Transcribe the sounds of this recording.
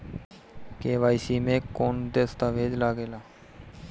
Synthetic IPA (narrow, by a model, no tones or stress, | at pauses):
keːʋaːisiːmẽːkːoːnd̪eːst̪aːʋeːd͡ʒlaːɡeːlaː